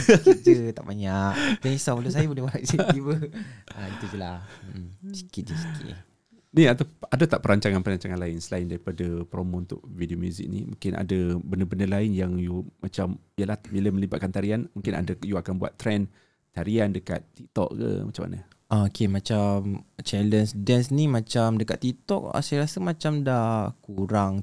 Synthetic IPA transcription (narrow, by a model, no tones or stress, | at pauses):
d͡ʒət̪a̰ʔbaɲaʔdɛnisamulus̬ajəbulɛhmaasat̪ibəaiud͡ʒəla | si̥kid͡ʒisi̥kḭ | niat̪aadat̪aʔpəɾaɲt͡ʃaŋanpəɾaɲt͡ʃaŋanlaɪnsəlaɪndaɾipadapɾomount̪ʊ̰ʔ̚videomjuzɪ̰k̚nḭmṵŋkɪna̰dabəndəbəndəlaɪnjaŋjumat͡ʃamijəlahbilaməlibat̪̚kant̪aɾianmũŋkɪna̰dajuakanbua̰t̪ːɾɛn | t̪aɾiandəka̰t̪ːik̚t̪ɔ̰ʔ̚kə̰mat͡ʃama̰nə̰ | ʔakemãt͡ʃamt͡ʃɛlənsdɛnsnimãt͡ʃamdəkat̪ːit̪ɔk̚a̰sajaɾasəmat͡ʃamdakuɾaŋ